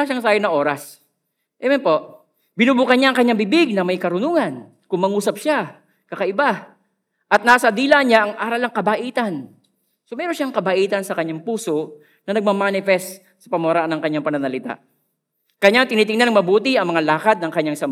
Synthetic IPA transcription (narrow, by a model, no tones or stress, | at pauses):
aʃaŋsaːjonɐʔo̞ːɾɐs | ʔɛmɛnpo̞ʔ | bɪnubuːkɐnɲaʔɐŋkɐɲːaŋbɪbɪɡ̚nɐmɐjkɐɾʊnuːŋɐn | kʊŋmɐŋuːsɐp̚ʃa | kɐkɐʔɪba | ʔɐt̪naːsɐd̪iːlaɲaʔɐŋʔaːɾɐlɐŋkɐbaʔiːt̪ɐn | somɛːɾonʃaŋkɐbaʔiːt̪ɐnsɐkɐɲɲaŋpuːso̞ | nɐnɐɡ̚mamaːnɪfɛst̪ | sɐpɐmɐwɾaʔanːɐŋkɐɲːaŋpɐnɐnɐlɪt̪a̰ʔ | kɐɲaŋt̪ɪniːt̪̬ɪŋnɐnɐŋmɐbuːt̪ɪʔɐŋmɐŋalaːkɐt̪̚nɐŋkɐɲːaŋsɐmb